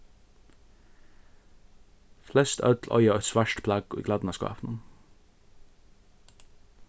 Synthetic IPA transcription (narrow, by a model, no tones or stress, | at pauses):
flɛst̪ʰœ̰ʉt̪ʰl̩ʔɔ̰ʏɑɔʏt̪sʋæʃʈpʰlɑɡo̰ḭːɡlæd̪n̩ɑːskɑ̰ːpnən